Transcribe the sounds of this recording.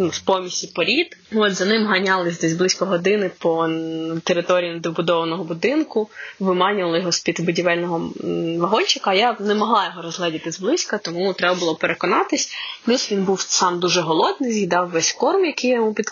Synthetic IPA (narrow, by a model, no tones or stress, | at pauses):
nuspɔmʲisʲipɔɾʲid̪ɔt̪zɐnɪmɦɐnʲɑlˠɪzʲd̪ɛzʲblˠɪsʲkɐɦɔd̪ɪnɪpɔt̪eɾɪt̪ɔɾʲijinɐd̪ɔbʊd̪ɔʋɐnɔɦɔbʊd̪ɪnkʊʋɪmɑnʲʊʋɐlˠɐjɔɦɔspʲid̪bʊdʲiʋɛlʲnɔɦɔʋɐɦɔnʲt͡ʃɪkɐjanɛmɔɦlˠɑjɔɦɔɾɔzlˠɛdʲɪt̪ɪzblˠɪsʲkɐt̪ɔmut̪ɾɛbɐbʊlˠɔpeɾekɔnɑt̪ɪsʲplʲusʋʲinbuwsɑmd̪uʒɛɦɔlˠɔd̪̚nɪjzʲjʲid̪ɑwʋɛsʲkɔrmjɐkɪjɔmupʲid̪